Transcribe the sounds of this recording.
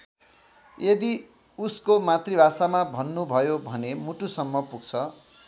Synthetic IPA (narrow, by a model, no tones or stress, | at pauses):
jed̪i | uskomat̪ribʱasamabʱʌnːubʱʌjobʱʌnemuʈusʌmːʌpuɡ̚t͡sʰʌ